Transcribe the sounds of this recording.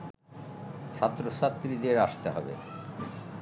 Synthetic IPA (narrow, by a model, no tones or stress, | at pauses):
ʃʰat̪ːɾosat̪ːɾid̪eɾaʃt̪eɦɔbḛ